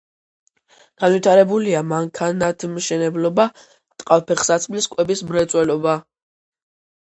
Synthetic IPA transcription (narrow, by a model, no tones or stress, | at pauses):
ɡ̥anvwit̪ʰaɾɛbuliamaŋkʰanat̪ʰmʃɛnɛblɔba | t̪ʼqʼalpʰɛχsat̪sʰmliskʼwɛbismɾɛt̪sʼwɛlɔba